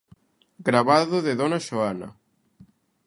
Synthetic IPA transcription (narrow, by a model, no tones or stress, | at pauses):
ɡɾaβaðoðeðonaʃoana̰